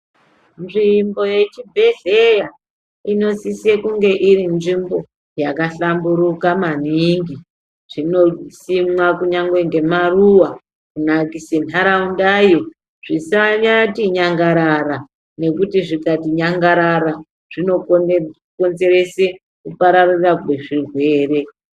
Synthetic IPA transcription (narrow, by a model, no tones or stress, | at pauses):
nʐimbo̞je̞t͡ʃibʱe̞ɮeja | ino̞sisiekuŋɡe̞ʔiɾinʐimbo̞ | jakaɬambuɾukamaniŋɡi | ʐ̥ino̞simwakuɲaŋɡweŋɡe̞maruwa | kunakisenaɾaundajo | ʐ̥isaɲatiɲaŋɡaɾara | ne̞kutiʐikatiɲaŋɡaɾaɾa | ʐ̥ino̞ | ko̞nze̞ɾe̞se | kupaɾarirakweʐirwe̞ːre̞